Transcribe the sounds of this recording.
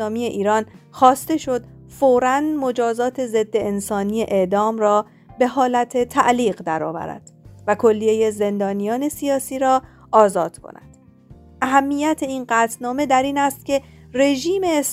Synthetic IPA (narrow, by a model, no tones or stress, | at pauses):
ɒːmiːe̞ʔiːɾɒːnxɒːst̪e̞ʃo̞d̪foːɾænmo̞d͡ʒɒːzɒːt̪ʰe̞ze̞d̪ːe̞ːnsɒːnije̞ʔeʔd̪ɒːmrɒː | be̞ɦɒːlæt̪ʰe̞t̪ʰæ̰ʔliːɢd̪æɾɒ̰ːvæ̰ɾæ̰d̪̥vækʰo̞lːije̞je̞ze̞nd̪ɒːnijɒːne̞sijɒːsiːɾɒː | ɒːzɒːd̪̥kʰo̰næ̰d̪̥ | ʔæɦæmːijæt̪ʰe̞iːnɢæːt̪ʰnɒːme̞d̪æɾiːnæst̪cʲʰe̞re̞ʒiːme̞ːs